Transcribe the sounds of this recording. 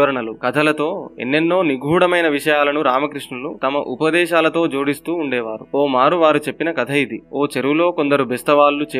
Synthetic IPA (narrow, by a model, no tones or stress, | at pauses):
ɐɾɐɳɐlukɐt̪ʰɐlɐt̪o̞ːḛnːenːo̞ːniɡʱuːɽɐmɐjnɐʋiʂɐjaːlɐnuɾaːmɐkɾiʂɳɐlut̪ɐmɐʔupɐd̪ɛːʃaːlɐt̪o̞ːd͡ʒoːɽist̪uːɳɖɛːʋaːɾuoːmaːɾuʋaːɾut͡ʃe̞pːinɐkɐt̪ʰɐjid̪ioːt͡ʃeɾuʋulo̞ːko̞nd̪ɐɾubʱɛst̪ɐʋaːlːut͡ʃː